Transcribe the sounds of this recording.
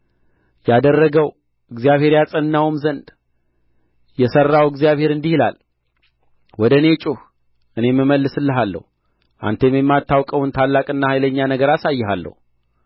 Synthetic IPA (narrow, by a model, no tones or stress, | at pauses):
jad̪ərːəɡəw | ʔɨɡzijaβhe̞ɾjat͡sʼənːawmzənd̪ | jɛsərːawɨɡzijaβhe̞ɾɨnd̪ihila̰l | wɔd̪əne̞t͡ʃʼuh | ʔɨne̞mːɨməlːɨsɨlːəɦalːə̰hu | ʔa̰nt̪ʰemjɛmːat̪ːawkʼəwunt̪ʰalːakʼɨnːahajləɲːanəɡəɾasajːɛɦalːə̰hu